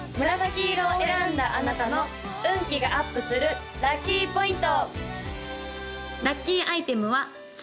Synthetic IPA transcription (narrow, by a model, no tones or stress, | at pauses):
mɯ̟ɾazakʲiɾoeɾãnd̪aʔanat̪ano̞ | ɯ̟̃ŋkʲiɡaʔapːɯ̟sɨɾɯ̟ | ɾakʲːiːpo̞ĩnt̪o | ɾakʲːiːʔait̪e̞mɯ̟βa | s